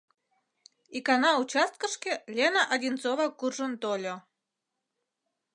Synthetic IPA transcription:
ikɑnɑut͡ɕɑst̪̚kə̆ʃkʲelʲenaʔadʲint͡sovɑkurʒə̆nt̪olʲŏ

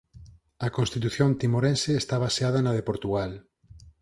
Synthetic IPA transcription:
ɐkonst̪it̪uθjont̪imoɾenseːst̪aβaseaðɐnɐðepoɾt̪uɣal

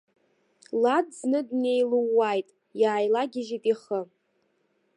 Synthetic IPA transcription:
ladd͡znɨdne̞jluwːajtʼ | jaːjlaɡʲɪʒitʼiχə

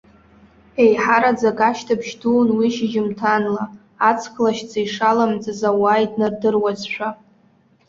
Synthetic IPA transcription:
e̞jħaɾad͡zakʼaʃtʰapʰʃduːnwiʃɪʒɪmtʰanlaː | t͡sʰkʰlaʃd͡zajʂalamd͡zazawaːjdʼnɨrdɨrwazʃʷᶣa

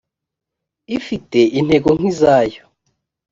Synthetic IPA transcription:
ifite̞ʔin̥he̞ɡoŋ̥izaːjo

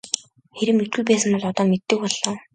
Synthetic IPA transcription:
xeɾɘ̆mmet̪̚ɡujpæːsə̆mpɔɮɔt̪ɔːmet̪ːɘ̆k̚pɔɮːɔː

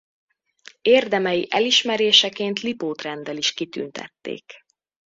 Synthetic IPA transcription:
eːrd̪ɛmɛjiʔɛliʃmɛɾeːʃɛkeːnt̪lipoːt̪rɛnd̪ɛliʃkit̪y̰nt̪ɛ̰t̪ːḛːk

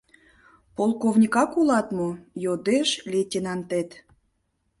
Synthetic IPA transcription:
polˠkovnʲikɑkulɑt̪mojod̪eʃlʲetʲenɑnt̪et̪

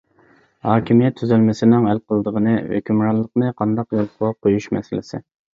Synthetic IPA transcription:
hɑːkʲimijɛt̪ʰːyzylmɪsɪnɪŋælqʰəlˠd̪əʁənɨwø̰kʲʰymɾɑnlˠːəqnɨqʰɑnd̪ɑqjolʁɑqʰojuʃmɛ̰sɪlɪ̰sɪ̰

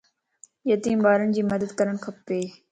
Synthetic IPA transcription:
jət̪iːmɓaːɾənɪd͡ʑiːməd̪əd̪̚kəɾəɳ̃kʰəpːeː

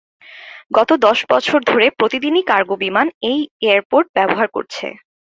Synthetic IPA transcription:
ɡɔt̪od̪ɔʃbɔt͡ɕʰoɾd̪ʱoɾepɾot̪id̪inikaɾɡobimanejeaɾpoɾʈ̚bɛboɦaɾko̰ɾt͡ɕʰḛ

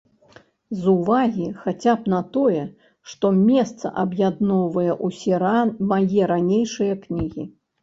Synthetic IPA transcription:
zuvaɣʲixat͡sʲapnɐt̪ɔjɛ | ʂt̪ɔmʲɛst̪sɐ̰ʔɐbjad̪nɔwvɐjɛʔusʲɛmajɛɾanʲejʂɨjɐknʲiɣʲḭ

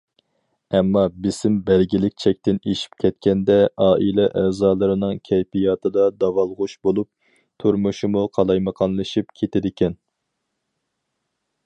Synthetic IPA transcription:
ɛmːɑbɪsɪmbæɾɡʲilɪk̚ʲt͡ʃʰɛk̚ʲt̪ɪneʃi̥p̚kʲʰɛt̪̚kʲɛnd̪ɛʔɑːʔilɛʔɛːzɑːlˠɨɾɨnɨŋkʲʰɛjpijɑt̪ʰɨd̪ɑd̪ɑvɑlˠʁʊʃbolˠup̚ | t̪ʰuɾmuʃumuqʰɑlˠɑjməqʰɑnlˠɨʃipkʲʰet̪ʰɪd̪ɪkʲɛn

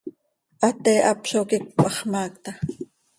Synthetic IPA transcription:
ʔɑt̪eːʔɑpʃokik̚pʼɑχmɑːkt̪ɑ

